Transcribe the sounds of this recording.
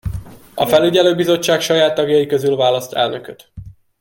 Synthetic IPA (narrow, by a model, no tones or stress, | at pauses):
ɒfɛlyɟɛløːbizo̞t͡ʃːaːkʃɒjaːt̪ːɒɡjɒjikø̞zylvaːlɒst̪ɛ̰lnøkøt̪